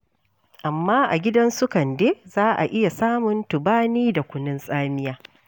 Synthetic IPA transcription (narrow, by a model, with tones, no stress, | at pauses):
ʔa˨mːaː˦ʔa̰˨ɡʲɪ˦dɐ˦nsʊ˦kɐ˨ndeː˦zaː˦ʔa̰˨ʔɪ˦ja˨saː˦mʊ˨ntʊ˨baː˦niː˦da˨kʷʊ˦nɪ˦nsʼaː˦mɪ˦jaː˦